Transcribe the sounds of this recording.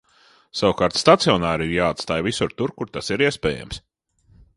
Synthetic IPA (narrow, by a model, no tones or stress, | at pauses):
sawkaːɾt̪st̪at̪siɔnaːɾiɾjaːt̪st̪aːjvisuɾt̪uɾkuɾt̪asiɾiɛspɛːja̰ms